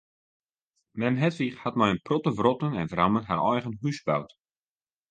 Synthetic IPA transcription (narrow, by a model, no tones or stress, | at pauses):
mɛnɦɛtʋiχhat̚mɔjənprɔtəvrɔtənɛnvramənɦaɾɔjɣənɦysbawt